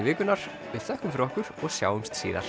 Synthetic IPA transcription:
vɪːkʏnaɾ̥ | vɪðθœhk̪ʏmfɾɔhkʏɾ̥ɔɣsja̰ːwʏmst̪siːða̰̥

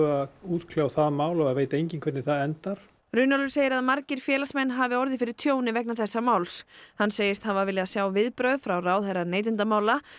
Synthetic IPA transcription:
auːt̪kʰljawθaðmaːwlɔɣaðveːjt̪ejɲcɪnkʰvɛt̪nɪθaðɛnt̪aɾ̥ | ɾʏnalʏ̥seːjɪɾaðmaɾcɪɾ̥fjɛːlasmɛnːɦaːvɪɔɾðɪfɪɾɪɾ̥t̪ʰjoːwnɪvɛk̚naθɛsːamaːwlshanːseːjɪst̪havaɾvɪljɪðasjaːwvɪðpɾœðfɾawraːwðhajɾaneːjt̪̬ɪnt̪amaːwla

